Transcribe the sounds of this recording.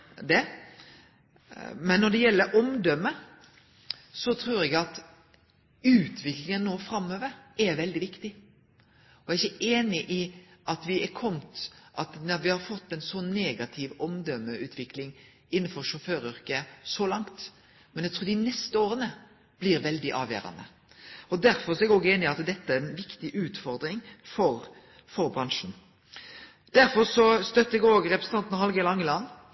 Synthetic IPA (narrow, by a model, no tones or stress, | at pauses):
d̪ɛ | mɛnːɔd̪ɛjɛlːəɾɔmd̪œmːə | sɔt̪ʰɾuːɾɛɡɑt̪ | ʉːt̪ʰʋɪklɪŋənːoːfɾɑmːøːʋəɾɛɾʋɛld̪ɪʋɪkt̪ɪ | ɔɛæɪçəeːnɪʔɪɑt̪ʋɪɛkʰɔmt̪ʔɑt̪d̪ɛʋɪhɑɾfɔt̪ːɛnsɔnneːɡɑt̪ʰɪʋɔmd̪œmːəʔʉːt̪ʰʋɪklɪŋ | ɪnːn̩fɔɾʂɔføːɾʏɾkəsɔlɑŋt̪ | mɛnɛɡ̚t̪ɾuːɾd̪ɪnɛst̪əoːɾənə | b̥liːɾʋɛld̪ɪʔɑ̰ːʋjḛːɾɑ̰nə̰ | ɔd̪æɾfɔɾsɔɛɡoːɡeːnɪɪɑt̪d̪ɛt̪ːəæɾɛnʋɪkt̪ɪʔʉːt̪fɔɾd̪ɾɪŋfɔɾ | fɔɾbɾɑnʃn̩ | d̪̥æɾfɔɾsɔst̪œt̪ːəɛɡoːɡɾɛpɾəsn̩ʰɑnt̪nhɑlɡəlɑŋːəlɑnː